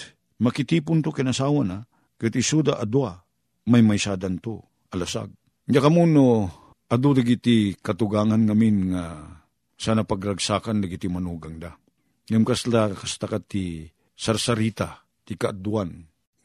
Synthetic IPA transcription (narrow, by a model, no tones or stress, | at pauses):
mɐkɪt̪iːpʊnt̪okɛnasawana | kɨt̪isud̪aʔad̪ua | majmajsad̪ant̪o | ʔɐlasa̰ɡ̚ | d͡ʒakɐmuno | ʔɐd̪ud̪aɡit̪ikɐt̪ʊɡaŋanŋaminŋa | sanapaɡɾaɡsaːkand̪aɡit̪imanuɡaŋd̪a | ŋamkaslakast̪akat̪i | saɾsaɾiːt̪a | t̪ɪkaʔd̪uan